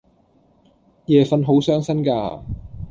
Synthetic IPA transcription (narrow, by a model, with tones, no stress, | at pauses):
jɛː˨fɐ˧nɦo˨˥wsœː˥ŋsɐ˥nkaː˧